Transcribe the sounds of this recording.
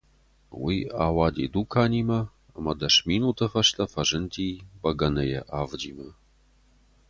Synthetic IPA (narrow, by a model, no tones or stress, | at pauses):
wijaːwaːd̪ḭːd̪ukʰaːniːmɐ | ɐ̰mɐd̪ɐʂminut̪ʰɐfɐʂtʰʼɐfɐʐɨntʰiːbɐɡɐnɐjɛ̰ʔaːvd͡ʒiːmɐ